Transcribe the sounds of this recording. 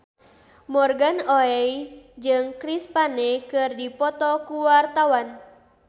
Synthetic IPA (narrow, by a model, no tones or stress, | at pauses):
mɔrɡanɔɛjd͡ʒɨŋkɾispanekɨrdipɔt̪ɔkuwart̪awan